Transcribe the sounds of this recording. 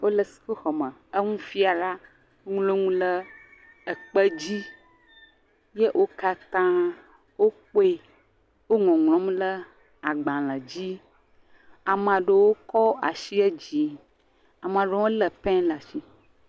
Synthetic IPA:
wo˦lə˨si̥˨ko˦xɔ˨mə̃˨ə˦ŋũ˦fi˦a˨la˦ | ŋlo˦ŋũ˦lə˦ | ə˨k͡pə˦d͡ʑi˦ | je˦ʔo˦ka˦t̪ã˦ | wo˦k͡po˦e˦ | wo˦ŋɔ̃˨ŋlɔ̃˨˦mlə˦ | a˨ɡ͡bã˨lə̃˨d͡ʑi˦ | a˨mə̃˨a˨ɖə˨wo˦kɔ˦a̰˨ʃi˦ɛ˦d͡ʑi˨ | a˨m̃˨a˨ɖe˨wo˦lə˨pɛ̃˦la˨ʃi˦

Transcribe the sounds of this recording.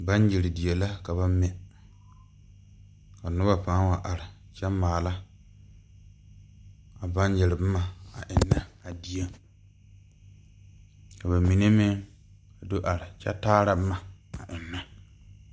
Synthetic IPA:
ba˦n˦jɪ˨ɾɪ˨di˨ɛ˨la˦ka˨ba˦mɛ˨ | ka˨nʊ˦ba˦paː˨˦nwa˨ʔa˨ɾɪ˨ | t͡ʃɛ˦mːaː˨la˦ | a˨ba˦njɛ˨ɾɪ˨b̩˦ma˨a̰˨ʔɪ˨nːa˦a˨di˨˦e˦ | ka˨βa˨mi˨ne˦mɪ˦ | a˨do˦ʔa˨ɾɪ˨t͡ʃɛ̰˦taː˦ɾa˨bma˨a˨ʔɪ˨nːa˦

